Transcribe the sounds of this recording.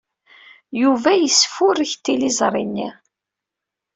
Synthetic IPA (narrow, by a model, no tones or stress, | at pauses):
juvæjəsːfʊɾəçt̪ːilizˤɾˤinːi